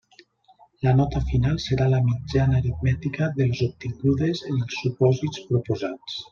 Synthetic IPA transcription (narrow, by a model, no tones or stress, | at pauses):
lənɔt̪əfinalˠsəɾaləmid͡ʒanəɾit̪̚mɛt̪ikəðəlˠzup̚t̪iŋɡuðezielˠsupɔzit͡spɾupuzat͡s